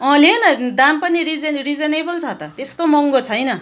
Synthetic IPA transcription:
ʌ̃lenʌd̪ampʌniɾid͡zenrid͡zenebʌlt͡sʰʌt̪ʌt̪est̪omʌŋɡot͡sʰʌjnʌ

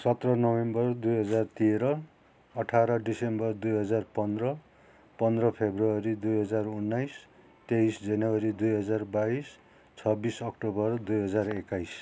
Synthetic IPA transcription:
sʌt̪rʌnʌwembʌrd̪ujɦʌd͡zart̪iɾʌː | ʈʰaɾʌɖisembʌrd̪ujɦʌd͡zarpʌnd̪rʌ | pʌnd̪rʌpʰebruʌɾid̪ujɦʌd͡zarunːajs | t̪eisd͡zʌnʌwʌɾid̪ujɦʌd͡zarbais | t͡sʰʌbisʌkʈobʌrd̪ujɦʌd͡zarekajs

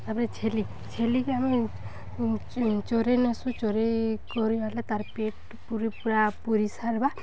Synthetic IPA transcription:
apnet͡ʃʰeli | t͡ʃʰelikeami | t͡ʃoɾenesut͡ʃoɾekɔɾualet̪aɾpeʈ | puɾipuɾapuɾisaɾba

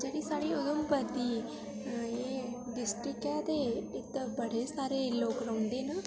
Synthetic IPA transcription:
d͡ʒeːɽiːsaːɾiːʊd̪əmpəd̪iː | eːɖɪsʈɾɪkɛːt̪eːɪt̪bəɽeːsaːɾeːloːkɾəɔ̃ːnd̪eːnaː

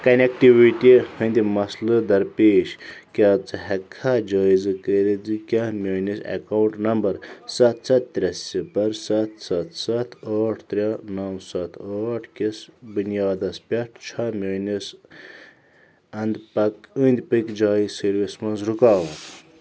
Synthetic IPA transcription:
kɐnʲekʈiʋiʈʲihɐnd̪ʲimɐslɨd̪ɐɾpeːʃkʲaːt͡sɨɦɐkʰːad͡ʒaːizɨkəɾid͡zɨkʲɐmʲɐːnisɐ̰kawɳʈnɐmbɐɾsɐt̪̚ʰsʰɐt̪̚t̪ɾʲɐsːipɐɾsɐt̪ʰsɐt̪ʰsɐt̪ʰɐːʈʰt̪ɾʲanɐwsɐt̪ʰɐːʈʰkisbunjaːd̪ɐspʲɐʈʰt͡ʃʰɐmʲɐːnis | ɐnd̪pɐkɨnd̪ʲpɨkd͡ʒaːizsɐɾʋismɐnzɾukaːʋɐ

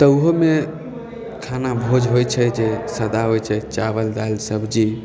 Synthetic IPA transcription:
t̪əuɦome | kʰanabʱod͡ʒɦojt͡ʃʰɛd͡ʒesəd̪aɦojt͡ʃʰɛt͡ʃabəld̪alsəbʱd͡ʒi

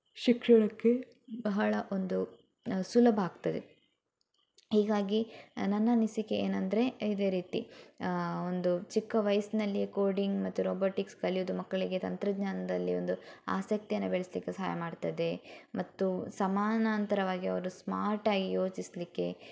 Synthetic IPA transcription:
ʃikʂɐɭɐkːe | bɐɦɐɭɐʔond̪u | sulɐbʱɐaːɡt̪ɐd̪e̞̰ | hiːɡaːɡinɐnːɐnisikeeːnɐnd̪ɾe̞id̪e̞ːɾiːt̪ḭ | o̞nd̪ut͡ʃikːɐʋɐjɐsnɐlːikoːɾɖiŋɡmɐt̪ːuɾoːboːʈikskɐlijud̪umɐkːɐɭiɡe̞t̪ɐnt̪ɾɐɡɲaːnɐd̪ɐlːio̞nd̪ua̰ːsɐk̚t̪ijɐnːɐbeɭeslikːesɐɦaːjɐmaːɖt̪ɐd̪e̞mɐt̪ːusɐmaːnant̪ɐɾɐʋaːɡiɐʋɐɾusmaːɾʈaːɡijo̞ːt͡ʃislikːe̞

